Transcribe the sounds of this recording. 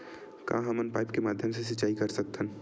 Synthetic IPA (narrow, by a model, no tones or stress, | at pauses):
kã̰ːɦɐmənpaːɪpkemaːd̪ʱjəms̬es̬ɐt͡ʃːaːikɐɾsɐk̚t̪ʰən